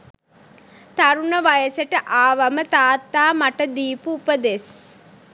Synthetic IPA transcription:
t̪aɾunəʋajəseʈəʔaːʋamət̪aːt̪ːaːmaʈəd̪iːpuːpəd̪es

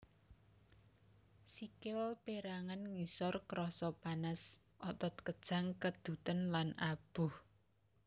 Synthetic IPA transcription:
sikɪlpeɾaŋanŋisɔrkɾɔsɔpanəs | ʔɔt̪ɔt̪̚kəd̥ʒ̥a̤ŋkəd̪̥ṳt̪ənlanab̥ʊh

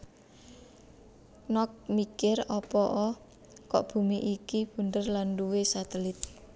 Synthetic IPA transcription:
nɔk̚mikɪrɔpɔʔɔ | kɔ̰ʔb̥ṳmiʔikib̥ṳnd̪ərlanduwesat̪əlɪt̪̚

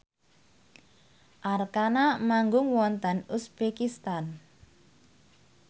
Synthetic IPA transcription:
ʔarkanamaŋɡʊŋwɔnt̪ənusbekist̪an

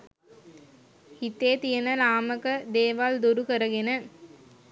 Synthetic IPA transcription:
hit̪eːt̪ijənənaːməkəd̪eːʋald̪uɾukəɾəɡenə

